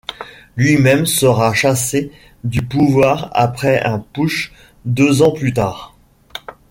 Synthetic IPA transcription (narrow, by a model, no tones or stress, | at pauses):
lɥimɛmsəʁaʃase | d̪ypuvwaʁa̰pχɛʔɛ̃puʃ | d̪øzɑ̃plyt̪aːʁ